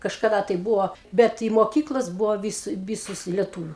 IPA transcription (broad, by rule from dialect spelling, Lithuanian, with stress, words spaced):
kɐʃkɐˈdɐ tɐɪ ˈbuːʋoː ˈbʲɛt ɪ moːˈkʲiːklˠɐs ˈbʊʋoː ʋʲɪs ˈʋʲiːsʊs ɪ lʲɛˈtuːʋʲʊ